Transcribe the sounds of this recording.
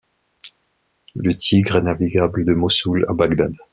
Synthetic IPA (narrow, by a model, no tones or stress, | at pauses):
lət̪ʰiɡʁɛnaviɡabləd̪əmɔsula̰baɡd̪ad̪